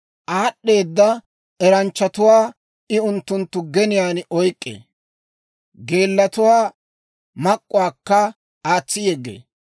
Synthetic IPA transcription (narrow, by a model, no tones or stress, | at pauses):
ʔaːɗːe̞ːd̪ːɐ | ɛɾɐnt͡ʃːɐt̪ʊwaː | ɪʊnt̪ːʊnt̪ːʊɡɛnɪjaːnɔjkʼːḛː | ɡe̞ːlːɐt̪ʊwaː | mɐkʼːʊwaːkːɐ | aːt͡sːɪjɛɡːḛː